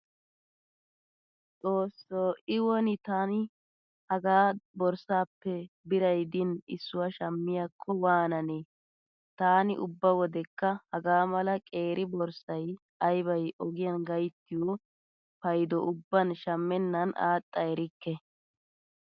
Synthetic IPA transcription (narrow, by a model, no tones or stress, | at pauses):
t͡sʼo̞ːsːoːɪwɔnɪt̪aːnɪ | hɐɡaːbɔɾsaːpːɛ | bɪɾɐjd̪ɪnɪsːʊwaʃɐmːɪjakʰːɔwaːnɐne | t̪aːnɪʔʊbːɐwɔd̪ɛkːɐhɐɡaːmɐlɐkʼe̞ːɾʔɪbɔɾsɐj | ɐjbɐjʔɔɡɪjɐnɡɐjt̪ːɪjɔ | pɐjd̪ɔʔʊbːɐnʃɐmːɛnːɐna̰ːt̪ʼːɐɛɾɪkːɛ